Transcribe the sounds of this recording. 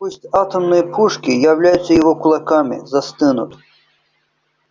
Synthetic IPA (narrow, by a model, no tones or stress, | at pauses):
pusʲtʲat̪əmnɨjəpʰuʂkʲɪjɐvlʲajʊt̪sːəjɪvɔkʊlˠɐkamʲɪ̰zɐst̪ɨnʊ̰t̪